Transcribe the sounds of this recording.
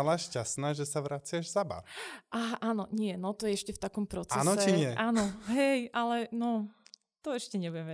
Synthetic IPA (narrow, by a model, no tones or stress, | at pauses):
alaʃcasnaːʒɛsaʋɾat͡sɪaʒzaba̰ɾʔaɦaʔaːnɔɲɪɛnɔt̪ɔjɛɛʃcɛft̪akɔmpɾɔt͡saɛnɔst͡ʃɛiɲɪɛʔaːnɔɦɛjʔalɛnɔ | t̪ɔɛʃcɛɲɛbujɛm